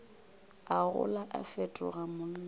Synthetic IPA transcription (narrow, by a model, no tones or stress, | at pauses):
aɣʊ̰laʔa̰fɛtʼʊ̰ɣamʊn̩ːa